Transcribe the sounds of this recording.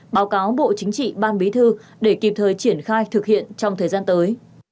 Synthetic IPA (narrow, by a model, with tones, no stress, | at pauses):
ɓaː˨˦wkaː˨˦wɓo̰˧˨t͡ɕï˨˦ŋ̟t͡ɕḭ˧˨ɓaː˧nɓi˨˦t̪ʰɨ˧ | ɗe˧˩ki˨˩p̚t̪ʰəː˨˩jt͡ɕi˧˩ənxaː˧jt̪ʰɨ˨˩k̚hḭ˧˨ənt͡ɕɔ˧wŋ͡mt̪ʰəː˨˩jzaː˧nt̪əː˨˦j